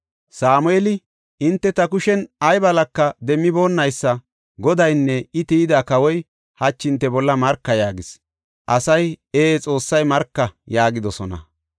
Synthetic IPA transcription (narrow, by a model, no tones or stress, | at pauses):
saːmʊeːlɪ | ʔɪnt̪ːɛt̪ɐkʊʃɛnɐjbɐlɐkːɐd̪ɛmːɪbo̞ːnːɐjsːɐ | ɡɔd̪ɐjnːɛɪt̪iːd̪aːkɐwɔj | hɐt͡ʃːɪnt̪ːɛbɔlːɐmɐɾkːɐjaːɡɪs | ʔɐsɐjeːt͡sʼo̞ːsːɐjmɐɾkːɐjaːɡɪd̪ɔsɔnɐ̰